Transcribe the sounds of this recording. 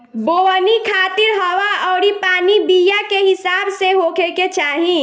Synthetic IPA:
boːʋənikʰaːt̪ɪɾɦɐʋaɔːɾipaːnibijakeɦɪsaːbseɦoːkʰeket͡ʃaːɦĩ

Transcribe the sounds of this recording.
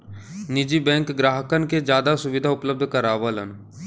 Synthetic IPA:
nɪd͡ʒibɛ̃ːŋkɡɾaːɦəkənked͡ʒjaːd̪asʊʋɪd̪ʱaʊpləb̚d̪ʱkəɾaːʋələ̰n

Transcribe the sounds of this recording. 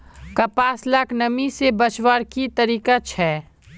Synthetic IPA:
kɐpaːslaknɐmisebət͡ʃwaːɾkit̪ɐɾiːkat͡ʃʰɛː

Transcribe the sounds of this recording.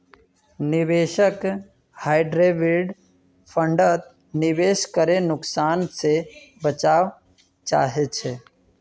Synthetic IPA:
nɪʋeːʃək | haːɪɖɾeːʋiɖ | pʰə̃ɳɖət̪̚ | nɪʋeːʃkəɾenʊksaːnse | bət͡ʃaːʋ | t͡ʃa̰ːɦet͡ʃʰe

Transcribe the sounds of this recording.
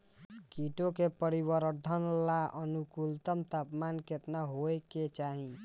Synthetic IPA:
kiʈokepəɾibəɾd̪ʱənlaʔənukult̪əmt̪apmanket̪naɦoeket͡ʃaɦĩ

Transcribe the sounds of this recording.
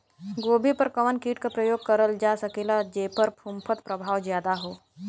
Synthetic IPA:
ɡoːbʱipɐɾkɐʋənkiːʈkapɾəjoːɡ̚kɐɾəld͡ʒaːsɐkeːlad͡ʒeːpɐɾpʰũmpʰət̪pɾɐbʱaːwzjaːd̪aɦoː

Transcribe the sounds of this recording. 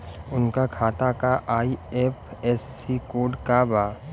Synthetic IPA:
ʊnkakʰaːt̪akaʔaːieːpʰɛːsːikoːɖkabaː

